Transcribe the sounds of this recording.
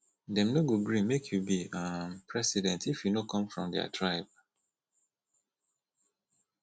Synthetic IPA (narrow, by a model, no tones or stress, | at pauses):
dɛ̃mnoɡoɡɹĩmekʰjubiãpʰɹɛsidɛ̃ntifjunokʰɔ̃mfɹɔ̃mdɛ̰a̰tʰɹaɪb̥̚